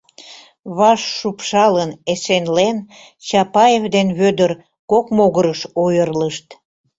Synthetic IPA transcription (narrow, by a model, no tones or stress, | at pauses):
βɑʃːupʃɑlənesenlen | t͡ɕɑpɑjevd̪enβød̪ər | kokmoɣəɾəʃojərləʃt̪